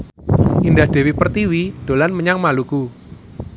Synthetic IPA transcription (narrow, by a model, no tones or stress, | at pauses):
ʔindahd̥e̤wipərt̪iwid̥olanməɲaŋmaluku